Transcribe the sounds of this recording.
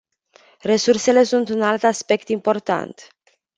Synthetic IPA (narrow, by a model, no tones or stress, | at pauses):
re̞surse̞le̞sunt̪unalt̪aspe̞kt̪impo̞rt̪a̰nt̪